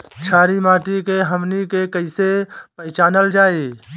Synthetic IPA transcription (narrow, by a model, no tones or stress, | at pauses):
t͡ʃʰaːɾimaːʈikeɦəmnikekəɪsepəɪt͡ʃaːnəld͡ʒaːeː